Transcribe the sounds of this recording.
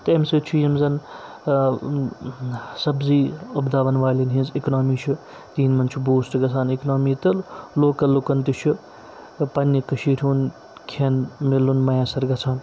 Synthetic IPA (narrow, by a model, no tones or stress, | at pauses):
t̪ɐemsit͡ʃʰujɐmzɐn | sɐbziːɐbd̪aːʋɐnʋaːlinɦĩnziknoːmiːt͡ʃʰu | t̪iːnmɐnt͡ʃʰubuːsʈɡɐt͡sʰaːniknoːmiːt̪ɐloːkɐlːukɐnt̪it͡ʃʰu | pɐnːikɐʃiːʈʲʰuːn | kʰeːnmilːunmɐjãːsɐɾɡɐt͡sʰaːn